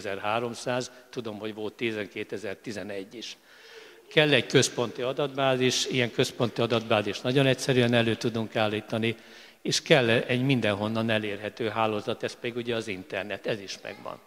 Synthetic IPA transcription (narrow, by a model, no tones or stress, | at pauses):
zɛrɦaːɾo̞msaːzt̪ud̪o̞mho̞ɟʋo̞lt̪ːizɛŋkeːt̪ɛzɛrt̪izɛnɛɟːiʃ | kɛlːɛɟkø̞spo̞nt̪iɒd̪ɒd̪baːziʃijɛŋkø̞spo̞nt̪iɒd̪ɒd̪baːziʃnɒɟo̞nɛcsɛɾyɛnɛløːt̪ud̪uŋkaːlːiːt̪ɒni | eːʃkɛlːɛɟmind̪ɛnɦo̞nːɒnɛleːrɦɛt̪øːɦaːloːzɒt̪ɛspɛd̪iɡuɟɛɒzint̪ɛrnɛt̪ɛziʃmɛ̰ɡʋɒ̰n